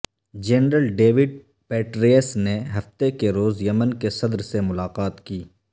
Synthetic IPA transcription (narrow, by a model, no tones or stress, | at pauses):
d͡ʒɛːnɾəlɖeːʋɪɖ̚ | peːʈɾiːəsneɦɐft̪ekeɾoːzjɐmənkesɐd̪ɾsemʊlaːqaːt̪kiː